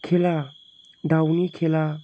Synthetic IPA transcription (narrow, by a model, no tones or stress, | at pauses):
kʰela | ɖawnikʰela